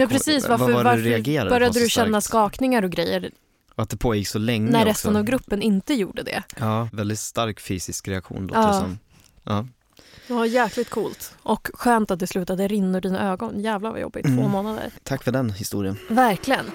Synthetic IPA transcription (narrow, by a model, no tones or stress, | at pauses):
jɑpʰɾɛsiːsvaɾœɾvaɾɾɛaɡeːɾadbœɾjadd̪əd̪ɵɕɛnːaskɑːknɪŋaɾɔɡɾɛjːəɾ | ɔat̪̚d̪ɛpʰoːjɪkːsɔlɛŋːnæɾɾɛst̪ənavɡɾɵpːənɪnt̪əjuːɖəd̪ɛ̰ɑːvɛld̪ɪt̪st̪aɾkfyːsɪskɾɛakɧṵːnlo̰ːɑːsɔm | ʔɑː | d̪ɛvajæːklɪt̪kʰuːlt̪ʔɔkɧøːnt̪at̪̚d̪ɛslʉ̟ːt̪ad̪əɾɪnːɔɖiːna̰øːɡɔnjæːvlava̰jɔ̰bːɪ̰tt̪ʰːvoːmoːnad̪ə̰ɾt̪ʰakːfœɖɛnhɪst̪ṵːɾɪənvæɾklɪɡən